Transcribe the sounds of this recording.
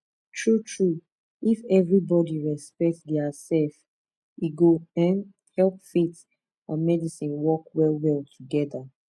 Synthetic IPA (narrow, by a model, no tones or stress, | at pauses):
tʰɹutʰɹu | ifɛvɹibɔdiɹɛspɛk̚tdɛasɛlf | iɡoɛ̃n | hɛlˠpfit | ãnmɛdisĩnwɔkwɛlwɛlˠtʰuɡɛða